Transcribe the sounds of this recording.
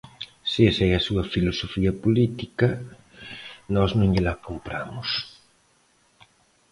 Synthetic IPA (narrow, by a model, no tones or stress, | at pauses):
sɪesɛɐsuɐfilosofiɐpolit̪ikɐ | nɔznʊ̃ŋʎɪlakompɾa̰mʊs